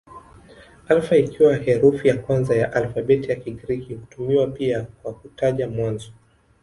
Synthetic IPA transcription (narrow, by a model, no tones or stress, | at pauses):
alfaikiwahɛɾufijakwanzajaʔalfaɓɛtijakiɡɾikihutumiwapiakwakutaʄamwanzɔ